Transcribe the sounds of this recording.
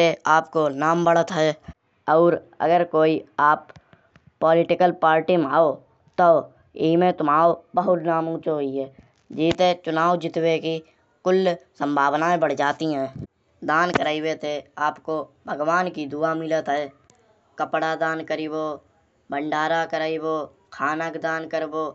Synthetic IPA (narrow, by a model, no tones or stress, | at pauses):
eaːpkonaːmbəɽət̪ɦɛː | ɔːɾə̰ɡəɾkoːiaːpː | ɔːlɪʈɪkəlpaːɾʈimaːo | t̪o | ɪɦmẽt̪ʊmaːobəɦʊt̪naːmũːt͡ʃoɦiɦɛː | d͡ʒiːt̪et͡ʃʊnaːwd͡ʒɪt̪weki | kʊlsə̃mbʱaːbnaẽbəɽ̤d͡ʒaːt̪iɦɛ̃ː | d̪aːnkəɾaːiweːt̪eaːpkobʱəɡwaːnkid̪ʊamɪlət̪ɦɛː | kəpɽad̪aːnkəɾiboː | bəɳɖaːɾakəɾaːiboː | kʰaːnəkd̪aːnkəɾboː